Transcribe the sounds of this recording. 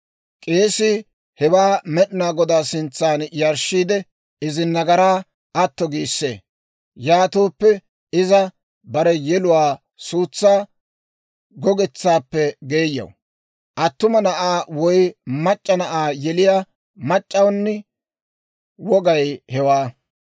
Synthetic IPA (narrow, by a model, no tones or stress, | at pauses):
kʼeːsɪ | hɛwaːmɛɗɪnaːɡɔd̪aːsɪnt͡sːaːnjɐɾʃːiːd̪ɛ | ɪzɪnːɐɡɐɾaː | ɐt̪ːɔɡiːsːḛː | jaːt̪oːpːɛ | ɪzɐ | bɐɾɛjɛlʊwaː | suːt͡sːaː | ɡɔɡɛt͡sːaːpːɛɡe̞ːjːɐ̰w | ʔɐt̪ːʊmɐnɐʔaːwɔjmɐt͡ʃʼːɐnɐʔaːjɛlɪjaː | mɐt͡ʃʼːɐwnːɪ | wɔɡɐjhɛwaː